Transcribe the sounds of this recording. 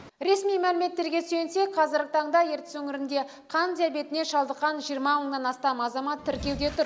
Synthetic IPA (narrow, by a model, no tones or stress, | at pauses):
ɾe̞smijmælɪme̞t̪ːe̞ɾɡʲe̞sejɪnse̞k̚qʰɑzɪɾɡʲɪt̪ʰɑɴd̪ɑje̞ɾt̪ɪ̥swɵŋɪɾɪnd̪e̞ | qʰɑnd̪ʲijabe̞t̪ɪne̞ʃɑlˠd̪əqːɑnʒijəɾmɑməɴd̪ɑnɑst̪ɑmɑzɑmɑt̪ʰːɪɾkʲe̞wd̪e̞t̪ʰʊɾ